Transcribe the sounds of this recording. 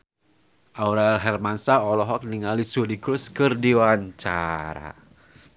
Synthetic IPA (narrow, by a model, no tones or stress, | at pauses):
ʔauɾalɦɛrmansaɔlɔɦɔk̚niŋalisudikɾuskɨrdiwaɲt͡ʃa̰ɾa̰